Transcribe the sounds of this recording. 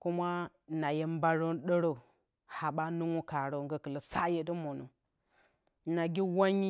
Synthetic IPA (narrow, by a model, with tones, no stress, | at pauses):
ku˦ma˦˨ | na˨je˦mba˦ɾo˦n˦ɗə˦ɾo˨ | ha˨ɓa˦nu˦ŋu˦ka˨ɾo˨ŋɡə˨kə˨lə˨sa˦je˦də˦mo˨no˨ | na˨ɡi˦wa˦ɲi˦